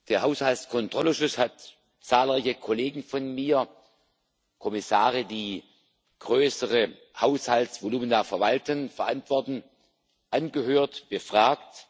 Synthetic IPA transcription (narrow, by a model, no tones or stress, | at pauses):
d̥eːɐhɦaʊshalskʰɔntʁ̥ɔləʃʊshat | t͡saːlʁaɪçəkʰɔleːɡŋ̩fɔnmiːɐ | kʰɔmɪsaːʁədiː | ɡ̥ʁøːsəʁə | haʊshaltsv̥oluːməndafɛɐvaltənfɛɐʔantv̥ɔɐtn̩ | ʔanɡəɦøːɐtb̥əfʁ̥aːkt